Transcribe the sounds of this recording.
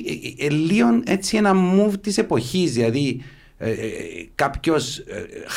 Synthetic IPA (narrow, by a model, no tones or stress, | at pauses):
elːio̞ne̞t͡sie̞nɐmuvt̪ise̞po̞çizðilɐði | kɐpço̞s